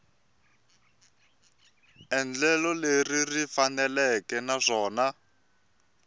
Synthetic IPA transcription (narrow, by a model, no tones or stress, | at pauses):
ɛnd͡ɮɛlɔleririfanɛlɛkɛnaʂɔːna